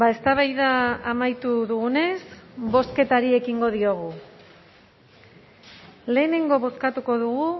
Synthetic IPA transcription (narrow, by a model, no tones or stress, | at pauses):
bae̞st̪aβajðaːmajt̪uðuɣune̞sbo̞ske̞t̪aɾie̞kiŋɡo̞ðio̞ɣ̞u | le̞ːne̞ŋɡo̞βo̞skat̪uko̞ðuɣu